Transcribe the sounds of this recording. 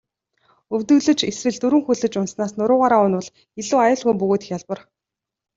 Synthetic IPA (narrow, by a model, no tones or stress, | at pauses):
ɵwt̪ɵ̆ɣɮɘ̆t͡ɕeswɘ̆ɮt̪ɵɾɘ̆ŋxuɮɘ̆t͡ɕʊnsnaːsnʊɾʊːʁaːɾaːʊnwə̆ɮ | eɮuːajʊːɮɣujmpɵɣoːt̪̆xjaɮpə̆r